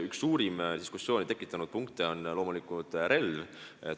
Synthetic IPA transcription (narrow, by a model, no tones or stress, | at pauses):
yksːuːɾimd̪̥iskusːjo̞ːnit̪e̞kːˑit̪ːˑɑnud̪̥̚puŋkt̪eo̞nlo̞ːmulikˑult̪ɾe̞lve